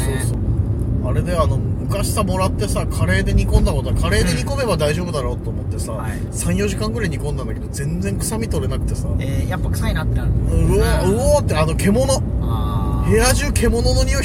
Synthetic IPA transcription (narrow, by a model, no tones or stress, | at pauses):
soːso | aɾe̞d̪e̞ano̞mɯ̟mɯ̟kaɕi̥samo̞ɾat̪ːe̞sakʰaɾe̞ːd̪e̞ɲ̟ikõ̞nd̪ako̞t̪oakʰaɾe̞ːd̪e̞ɲ̟iko̞me̞bad̪aiʑo̞ːbɯ̟d̪aɾo̞ːt̪ːo̞ːmo̞t̪ːe̞sa | sãɰ̃jo̞ʑikãŋɡɯɾaiɲ̟ikond̪ãnd̪ake̞d̪o̞zẽ̞nd͡zẽ̞ŋkɯ̟̥samʲit̪o̞ɾe̞nakɯ̟t̪e̞saejapːakɯ̥sainat̪ːeoɯot̪ːeano̞kʰe̞mo̞no̞ | heaʑɨːkʰe̞mo̞no̞no̞ɲʲio